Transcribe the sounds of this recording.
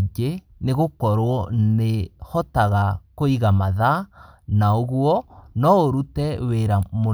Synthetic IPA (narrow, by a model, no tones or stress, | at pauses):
ɲd͡ʒe | neɣokɔɾwɔnehɔtaɣakoiɣamaðanaoɣwɔnɔoɾutɛweɾamo